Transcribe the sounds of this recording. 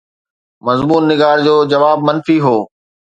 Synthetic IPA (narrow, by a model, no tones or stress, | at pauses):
mɐzmuːnːɪɡaːɾd͡ʑoːd͡ʑɐʋaːbmɐnfiɦoː